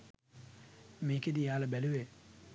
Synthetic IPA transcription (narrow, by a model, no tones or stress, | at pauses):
meːked̪ijaːlɐbæluʋe